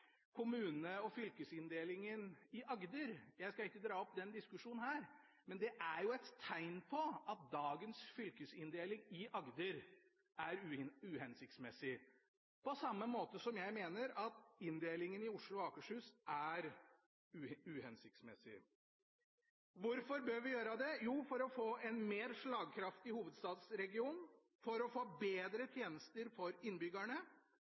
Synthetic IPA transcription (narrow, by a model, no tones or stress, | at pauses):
kʰʊmʉːnəɔfʏlkəsɪnd̪eːlɪŋənɪʔɑɡd̪əɾjæɪskɑɪkːəd̪ɾɑːɔpd̪ɛnd̪ɪskʉʂuːnnhæːɾ | mɛnd̪ɛʔæɾjʊɛt̪t̪ʰːæɪnpʰɔɑt̪̚d̪ɑːɡənsfʏlkəsɪnd̪eːlɪŋɪʔɑɡd̪əɾ | ʔæɾʉhɛnsɪk̚t̪smɛsɪ | pɔsɑmːəmoːt̪əsɔmjæɪmeːnəɾɑt̪ɪnd̪eːlɪŋənɪʊʂɭʊɔɑːkəʂhʉːsʔæɾ | ʉhɛnsɪk̚t̪smɛsɪ̰ | ʋʊɾfɔɾbøːʋɪjøːɾəd̪ɛjuːfɔɾɔfoːʔɛnmeːɾʂɭɑːɡkʰɾɑft̪ɪhuːʋəd̪st̪ɑːd̪sɾɛɡɪuːn | fɔɾɔfoːbeːd̪ɾət̪ʰjeːnəst̪əɾfɔɾɪnːbʏɡæɳə